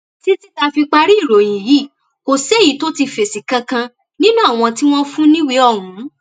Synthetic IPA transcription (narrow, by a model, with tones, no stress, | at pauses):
ti˦ti˦ta˧fi˧k͡pa˧ɾi˦i˦˨ɾo˨j̃ĩ˨ji˨˦˨ | ko˨se˦˨ji˨˦to˦ti˧fe˨si˨kã˧kã˧ | nĩ˦nũ˦a˦˨w̃ɔ̃˧ti˦w̃ɔ̃˦fũ˦nĩ˦wi˧˦ɔ˦˨ɾũ˨˦